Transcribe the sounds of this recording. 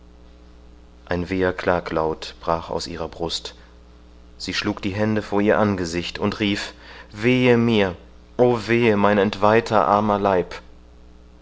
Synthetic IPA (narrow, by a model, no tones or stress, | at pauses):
ʔaɪnveːɐkʰl̥aːklaʊtb̥ʁaːχa̰ʊsʔḭːʁɐbʁʊst | z̥iːʃluːk̚d̥iːɦɛndəfoːɐiːɐʔanɡəzɪçtʰʊntʁiːfv̥eːəmiːɐ | ʔoːveːəmaɪnɛntv̥aɪtʰɐʔa̰ɐmɐlaɪp